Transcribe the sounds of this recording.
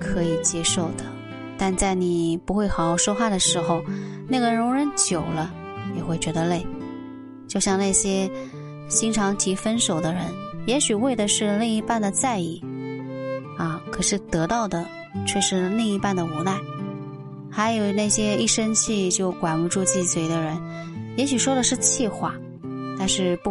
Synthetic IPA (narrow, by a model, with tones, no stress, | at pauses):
kʰɤ˧˥i˨˩t͡ɕjɛ˥ʂo˥˩ʊd̪ə˩ | t̪a˥˧nt͡sa˥˩ɪni˨˩pu˧˥xwe˥˩ɪxɑ˨˥ʊo˧˩ʊʂɔ˥xwa˥˩d̪ə˩ʂɻ̩˧˥xo˧ʊ | na˥˩ɡə˩ɻʊ˧˥ŋɻə˧˥nt͡ɕjo˨˩ʊlə˦ | njɛ˨˩xwe˥˩ɪt͡ɕɥɛ˧˥d̪ə˧le˥˩ɪ | t͡ɕjo˥˧ʊɕjɑ˥˧ŋna˥˩ɕjɛ˥ | t͡ɕi˥ŋʈ͡ʂʰɑ˧˥ŋt̪ʰi˧˥fə˥nʂo˨˩ʊd̪ə˦ɻə˧˥njɛ˧˥ɕy˨˩we˥˩ɪd̪ə˩ʂɻ̩˥˧ni˥˩i˧˥pa˥˩nd̪ə˩t͡sa˥˧ɪi˥˩ | ɐ˥˩kʰɤ˨˩ʂɻ̩˥˩t̪ɤ˧˥t̪ɑ˥˩ʊd̪ə˩ | t͡ɕʰɥɛ˥˧ʂɻ̩˥˧li˥˧ŋi˧˥pa˥˩nd̪ə˩u˧˥na˥˩ɪ | xa˧˥ɪjo˨˩ʊna˥˩ɪɕjɛ˥i˥˩ʂə˥nt͡ɕʰi˥˧t͡ɕjo˥˩ʊkwa˨˩nu˧˥ʈ͡ʂu˥˧t͡ɕi˥˩swe˧˥ɪd̪ə˧ɻə˧˥n | jɛ˧˥ɕy˨˩ʂwɔ˥d̪ə˨ʂɻ̩˥˧t͡ɕʰi˥˧xwa˥˩ | t̪a˥˧nʂɻ̩˥˧pu˥˩